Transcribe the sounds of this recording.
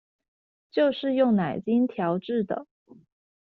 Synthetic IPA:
t͡ɕjo˥˧ʊʂɻ̩˥˧jʊ˥˩ŋna˨˩ɪt͡ɕi˥nt̪ʰjɑ˧˥ʊʈ͡ʂɻ̩˥˩d̪ə̰˩

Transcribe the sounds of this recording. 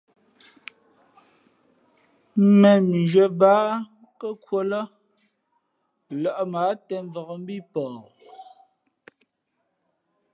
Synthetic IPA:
mɛ˨m˨d͡ʒɥə˨baː˨˦ | kə˦kwo˦lə˦ | lɔ˨ʔmaː˨˦tɛ˨ɱ˦vɔ˨ɣə˨m̩˦bi˦˨pɔː˨

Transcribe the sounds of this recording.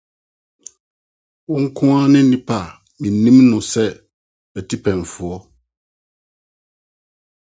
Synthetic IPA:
wʊ̃˦ŋ̩˦kʰʊ̃˦a˦nɪ̃˦nĩ˦pʰa˨ | mĩ˨nĩ˦mnʊ̃˨sɛ˦ | bɛ˨tʰi˦pʰɛ̃˨ɱ˨fʊ˨ɔ˦

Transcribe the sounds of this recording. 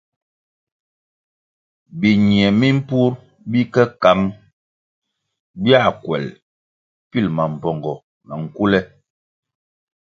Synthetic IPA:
bi˨ɲi˨ɛ˨mi˦m̩˦pu˦ɾ | bi˦kɛ˦ka˨˦m | bja˦˨kwɛ̰˨l | pi˦˨lma˨m̩˨pɔ˨ŋɡɔ˨ | na˨ŋ̩˨ku˦lɛ˦

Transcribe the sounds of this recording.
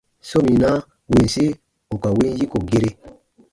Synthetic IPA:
so˦mĩ˨na˦ | we˨n̩˨se˦ | o˨ka˨we˦n˦ji˦ko˨ɡe˦ɾe˦

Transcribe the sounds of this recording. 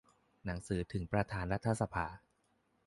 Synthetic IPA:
na˩˦ŋsɯː˩˦t̪ʰɯ˩˦ŋpɾa˧t̪ʰaː˩˦nɾa˦˥t̪ʰːa˧sa˧pʰaː˧˩˦

